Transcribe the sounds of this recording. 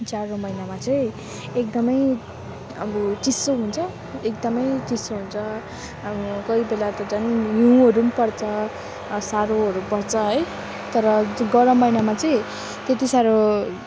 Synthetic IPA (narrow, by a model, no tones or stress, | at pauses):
d͡zaɾomʌjnamat͡sʌj̃ | ekd̪ʌmʌj | ʌbut͡sisoɦunt͡sʰʌ | ek̚d̪ʌmʌjt͡sisoɦunt͡sʰʌ | ʌbukʌibelat̪ʌd͡zʌnjũʌɾunpʌrt͡sʰʌ | saɾoɦʌɾupʌrt͡sʰʌɦʌj | t̪ʌɾʌɡʌɾʌmːʌjnamat͡sʌĩ | t̪et̪isaɾo